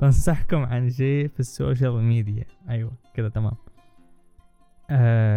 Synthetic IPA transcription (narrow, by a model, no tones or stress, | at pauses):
t̪ansaħkʊmʕand͡ʒeːfisːo̰ːʃ̬almiːd̪ɪja̰ʔajwakɪðat̪ama̰ːm | ʔa